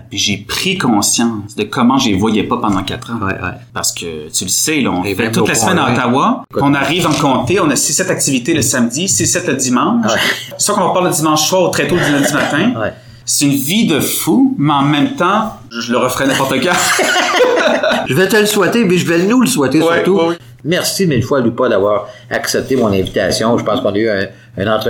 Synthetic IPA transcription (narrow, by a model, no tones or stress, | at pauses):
piʒepχikɔ̃sjɑ̃ːsd̪əkʰɔmɑ̃ʒevwajɛpapɑ̃d̪ɑ̃kʲat̪χɑ̰̃paʁsə̥kʰʲə̰t̪yləsɛlɔ̰ɔ̃fɛɛt̪ʊlasmɛnɑ̃t̪awaɔ̃naʁiːvɑ̃kɔ̃t̪eɔ̃nasisɛt̪ak̚t̪ivit̪eləsamd̪isisɛt̪ləd̪imɑ̃ːʃ | sokɔ̃vpaʁləd̪imɑ̃ʃswaːʁot̪χɛt̪od̪ylɛ̃d̪imat̪ɛ̃ | se̥ynvid̪əfumeɑ̃mɛ̃mt̪ɑ̃ | ʒələʁəfʁɛnɛ̃pɔʁt̪əka | ʒəvɛt̪əlswɛt̪emɛʒəvɛnuləswɛt̪est̪u | mɛʁsimɛlfwalupad̪avwaːʁaksɛp̚t̪emɔ̃nɛ̃vit̪a̰sjɔ̃ʒəpɑ̃skɔ̃nayɛ̃ː | nɑ̃t̪ʁə